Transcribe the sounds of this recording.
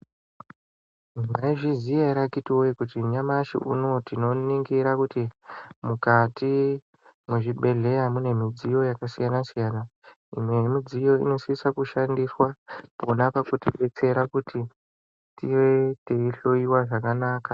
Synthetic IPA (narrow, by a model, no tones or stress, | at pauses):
maiʐizijaiɾakitiwoikutiɲamaʃḭʔṵno̞tino̞niŋɡiɾakutimukati | mweʐiɓe̞ɮe̞jamune̞mid͡zijo̞jakasijanasijana | ḭmwe̞mid͡zijo̞ḭno̞siisakuʃandiswapo̞napakutiɓe̞t͡se̞ɾakutʰi | tiwe̞teiɬo̞iwaʐakanaːka